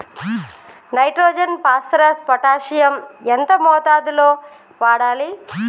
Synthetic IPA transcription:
nɐjʈɾoːd͡ʒɐnpaːspʰɐɾɐspɐʈaːʂijɐment̪ɐmɔːt̪aːd̪uloː | ʋaːɽaːli

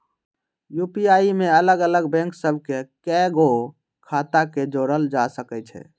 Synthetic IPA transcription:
jupiaimeələɡələɡbɛ̃ŋksəbʱkekɛɡo | kʰat̪aked͡ʒoɾəld͡ʒasəkɛt͡ʃʰɛ̰

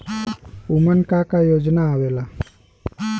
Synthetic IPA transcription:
umənkakajoːd͡ʒnaːʋeːla

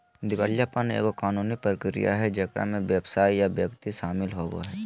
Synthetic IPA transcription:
d̪ɪʋaːljapənḛːkokaːnuːnipɾəkɾɪ̰ja̰ɦɛd͡ʒəkɾa̰mẽʋjəbsaːijaʋjəkt̪iʃaːmɪlɦoːbo̰ɦɛ

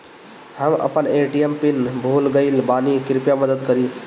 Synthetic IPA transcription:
həmə̰pəneʈiempinbʱulɡəɪlbanikiɾpjaməd̪əd̪kəɾi

